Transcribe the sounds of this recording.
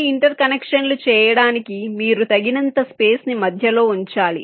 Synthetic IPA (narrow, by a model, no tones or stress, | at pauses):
iɳʈɐɾkɐnekʂɐnlut͡ʃɛːjɐɽaːnikimiːɾut̪ɐɡinɐnt̪ɐspe̞ːsnimɐd̪ʱjɐlo̞ːuɲt͡ʃaːlḭ